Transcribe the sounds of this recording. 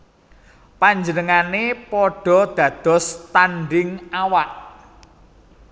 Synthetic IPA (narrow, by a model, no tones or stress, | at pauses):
paɲd͡ʒənəŋanepɔɖ̥ɔ̤d̪̥ä̤d̪̥ɔ̤st̪anɖɪŋawaʔ